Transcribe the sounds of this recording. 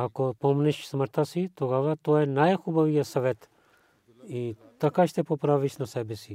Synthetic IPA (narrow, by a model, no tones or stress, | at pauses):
akopomnɛʃsməɾt̪asit̪oɡaʋat̪oɛnajxubaʋijasɐʋɛt̪ | i | t̪ɐkaʃt̪ɛpopɾaʋiʃnɐsɛbɛsi